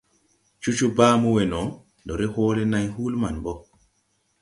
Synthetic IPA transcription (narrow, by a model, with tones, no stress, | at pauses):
t͡ʃu˦t͡ʃubaː˦muwɛnɔ˨ | ndɔ˨ɾɛ˦hɔːlɛ˦na˨jhu˦lma˨nbɔ